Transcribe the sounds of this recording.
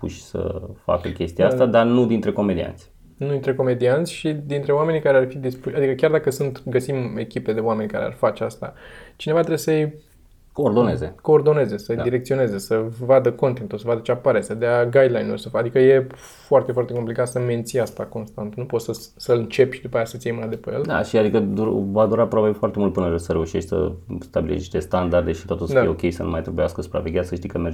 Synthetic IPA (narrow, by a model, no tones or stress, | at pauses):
pṵʃʲsə̰fa̰kəkʲe̞st̪iaast̪ad̪arnud̪int̪ɾe̞ko̞med̪ḭa̰nt̪sʲ | nud̪int̪ɾe̞ko̞me̞d̪iant̪sʲʃid̪int̪ɾe̞oame̞nikaɾearfid̪ispuʃad̪ikəkʲjard̪akəsunt̪ɡəsime̞kʲipe̞d̪e̞oame̞nʲkaɾḛa̰rfat͡ʃeast̪a̰t͡ʃine̞vat̪ɾebesəj | koːrd̪o̞ne̞zḛko̞ːrd̪o̞ne̞ze̞səjd̪iɾe̞k̚t̪sio̞ne̞zesəvad̪əko̞nt̪ek̪t̪ulsəvad̪ət͡ʃeapaɾesəd̪eaɡajd̪lajnulʲsəfad̪ikəje̞ | foart̪e̞fwart̪e̞ko̞mplikat̪səme̞nt̪sijast̪ako̞nst̪ant̪nupo̞t̪səsəlɨnt͡ʃe̞pid̪upajasət̪siejmɨnad̪epejeld̪a̰ʃiad̪ikəd̪uɾvad̪uɾapɾobabefoart̪emult̪̚pɨnəɾesəɾe̞uʃit͡ʃ̪ʲsə̰st̪abilḛni̥ʃt̪est̪and̪ard̪eʃit̪oat̪ulsəd̪aijeokʲe̞jsə̰nṵmajt̪ɾebujaskəsu̥pɾa̰ve̞ɡʲaskəʃt̪ijkəmerd͡ʒ